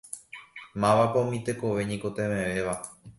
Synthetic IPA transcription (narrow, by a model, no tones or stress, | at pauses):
mãʋapõmĩt̪e̞ko̞ʋe̞ɲĩkot̪ẽmẽʋe̞ʋa